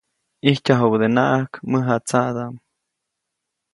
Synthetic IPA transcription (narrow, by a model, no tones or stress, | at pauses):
ihcaɦowd̪enaʔakməɦat͡sad̪aʔm